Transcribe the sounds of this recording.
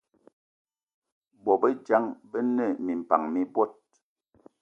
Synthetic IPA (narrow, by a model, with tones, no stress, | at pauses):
bɔ˨bə˦d͡ʒa˦ŋbə˦nə˦˨mi˨m̩˨pa̰˨ŋmi˦bwɔ˦˨t̚